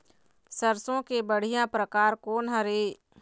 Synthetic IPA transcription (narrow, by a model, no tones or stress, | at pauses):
səɾsõkebəɽ̤ijãpɾəkaːɾkoːnɦəɾeː